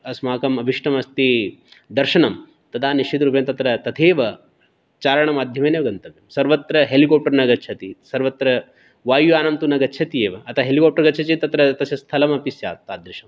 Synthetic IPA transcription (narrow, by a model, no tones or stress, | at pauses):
ɐsmaːkɐmɐbʱiʂʈɐmɐst̪id̪ɐɾʃɐɳɐm | t̪ɐd̪aːniʃit̪ɾupɐjɐmt̪ɐt̪ɾɐt̪ɐt̪ʰeːʋɐ | t͡ʃaːɾɐɳɐmaːd̪ʱjɐmeːneʋɐɡɐnt̪ɐmjɐmsɐɾʋɐt̪ɾɐɦelikoːp̚ʈɐɾnɐɡɐtːt͡ʃʰɐt̪isɐɾʋɐt̪ɾɐ | ʋaːjuaːnɐmt̪unɐɡɐtːt͡ʃʰɐt̪ieːʋɐɐt̪ʰɐɦelikoːp̚ʈɐɾɡɐtːt͡ʃʰɐt͡ʃit̪ɐt̪ɾɐt̪ɐsɐst̪ʰɐlɐmɐpisja̰ːt̪ːaːd̪ɾiʃɐm